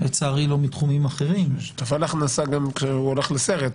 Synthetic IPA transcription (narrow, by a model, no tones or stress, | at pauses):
et͡saːʁilomitχumimaχe̞ʁimt̪avalaχnasaɡamkʃeuoleχleseʁet̪